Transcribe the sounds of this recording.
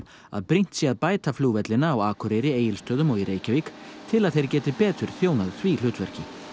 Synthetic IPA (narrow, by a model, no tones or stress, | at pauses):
a̰ðpɾijn̥t̪siaðpaːjt̪afluːvɛt̪lɪnaːwaːkɔɾejɾɪeːjɪlst̪œːðʏmɔɣiɾeːjcaviːkt̪ʰɪlaðθejɾcɛːt̪ɪpɛːt̪ʏɾ̥θjoːwnaðθvil̥ʏːt̪vɛr̥cɪ